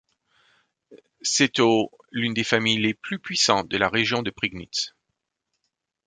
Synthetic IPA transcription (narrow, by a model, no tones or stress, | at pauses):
sɛt̪o | lynd̪efamijleplypɥisɑ̃t̪̚d̪əlaʁeʒjɔ̃d̪əpχiɡnit̪s